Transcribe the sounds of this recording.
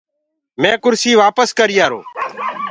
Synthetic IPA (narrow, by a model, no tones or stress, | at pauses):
mɛ̃ːkʊɾsiːʋaːpəskəɾɪːaːɾo̰ː